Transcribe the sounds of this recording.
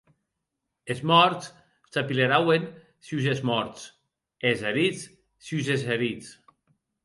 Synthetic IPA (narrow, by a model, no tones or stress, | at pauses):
ezmɔɾts | t̪apileɾawen | siz̬ezmɔɾt͡s | ezeɾit͡s | syzezeɾit͡s